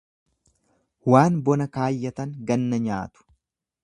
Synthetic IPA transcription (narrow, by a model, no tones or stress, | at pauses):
waːnbɔnɐkaːjːɐt̪ɐŋɡɐnːɐɲaːt̪ʊ̥